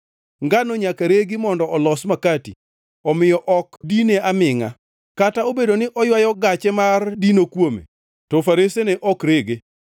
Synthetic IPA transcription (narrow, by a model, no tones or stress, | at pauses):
ŋɡanoɲakaɾeɡɪmɔndɔɔlɔsmakatḭ | ɔmɪjɔʔɔkdineamɪŋa̰ | kataobedonɪʔɔjwajɔɡat͡ʃɛmardinokwomḛ | tɔfaɾeseneʔɔkɾeɡe